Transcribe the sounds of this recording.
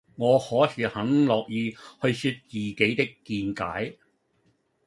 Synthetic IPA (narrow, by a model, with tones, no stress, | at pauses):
ŋɔː˨˧hɔː˨˥hyː˨˧t̚hɐ˨˥ŋlɔː˨k̚jiː˨˧hɵ˧ɥsyː˧t̪̚t͡siː˨ke˨˥jt̪ɪ˥kːiː˧nka̰ː˨˥j